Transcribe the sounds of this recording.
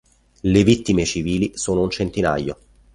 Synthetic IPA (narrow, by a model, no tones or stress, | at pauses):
levit̪ːimet͡ʃiviːlisoːnount͡ʃent̪ina̰jːo